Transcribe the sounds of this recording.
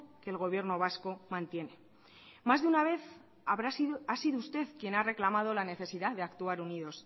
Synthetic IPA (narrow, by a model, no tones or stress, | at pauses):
ke̞ːlɣ̞o̞β̞je̞ɾno̞β̞asko̞mãnt̪je̞ne̞ | mazðeunaβe̞θ | aβɾaasiðoust̪e̞ðkje̞nare̞klamað̞o̞lane̞θe̞siðaðeakt̪uaɾuniðo̞s